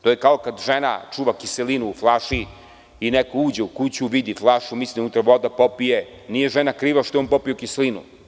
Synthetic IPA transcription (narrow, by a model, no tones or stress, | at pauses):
t̪ojekaokad̪ʒena̰t͡ʂuːʋakiselinuːflˠaʃi | inekouːd͡ʑeukut͡ɕuʋid̪iflˠaʃumisliut̪ɾʋod̪apopije | nije̞ʒenakɾiːʋaʃt̪oeonpopijokiselinṵ